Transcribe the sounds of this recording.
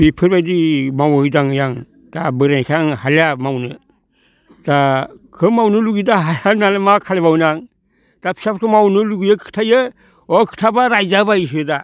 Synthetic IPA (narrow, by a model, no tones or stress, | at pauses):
bipʰɯɾbajdimawojdaŋjaŋ | d̥abɯɾenkʰaŋhalamawnɯ | d̥akʰɯmawnɯluɡidaɦajanalemakʰaleβawnaŋ | d̥apʰi̥sapkʰɯmawnɯluɡijəkʰɯ̥tʰajə | okʰɯ̥tʰabaɾajd͡ʒabajsɯda